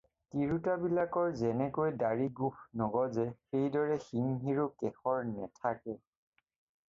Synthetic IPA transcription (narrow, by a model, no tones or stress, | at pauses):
kiɹutabilakɔɹzɛnɛkojdaɹiɡuxnɔɡɔzɛxejdɔɹɛxiŋɦiɹukɛxɔɹnɛtʰakɛ